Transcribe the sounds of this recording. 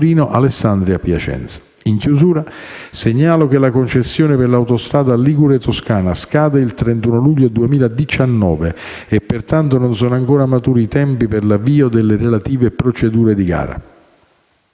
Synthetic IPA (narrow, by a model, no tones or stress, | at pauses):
ɾiːnoʔalesːand̪ɾiapja̰t͡ʃɛ̰nt̪sḁ | iŋkjuzuːɾaseɲːaːlok̟elakont͡ʃesːjoːneperlawt̪ost̪ɾaːd̪aliɡuɾet̪oskaːnaskaːd̪eilt̪ɾent̪uːnoluʎːod̪uemiːlad̪it͡ʃanːɔ̰ːve | epːert̪ant̪ononsɔːnoaŋkoːɾamat̪uːɾiːt̪ɛmpiperlavːiːod̪elːerelat̪iːvepɾot͡ʃed̪uːɾed̪iɡa̰ːɾa̰